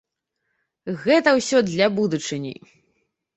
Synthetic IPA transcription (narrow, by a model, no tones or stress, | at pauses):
ɣɛt̪ɐwsʲɔd̪lʲɐbud̪ut͡ʂɨnʲḭ